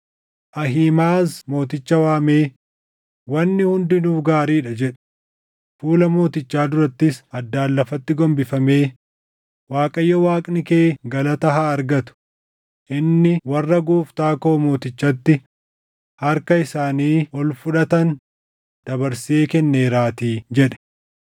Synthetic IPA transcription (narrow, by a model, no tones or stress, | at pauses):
ʔɐɦiːmaːsmo̞ːt̪ɪt͡ʃːɐwaːme̞ː | wɐnːɪhʊnd̪ɪnuːfɡaːɾiːᶑɐd͡ʒɛᶑɐ̥ | fuːlɐmo̞ːt̪ɪt͡ʃːaːd̪ʊɾɐt̪ːɪsɐd̪ːaːlːɐfɐt̪ːɪɡɔmbɪfɐme̞ː | waːkʼɐjːɐwaːkʼnɪkeːɡɐlɐt̪ɐɦaːɾɡɐt̪ʊ̥ | ʔɪnːɪwɐrːɐɡuːft̪aːkoːmo̞ːt̪ɪt͡ʃːɐt̪ːɪ | hɐɾkɐɪsaːniːɔlfʊᶑɐt̪ɐn | d̪̥ɐbɐɾseːkɛnːe̞ːɾaːt̪iːd͡ʒɛᶑɛ̥